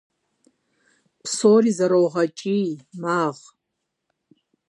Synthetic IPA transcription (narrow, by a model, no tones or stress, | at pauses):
pʰsorizɐɾowʁɐt͡ʃʼimaːʁ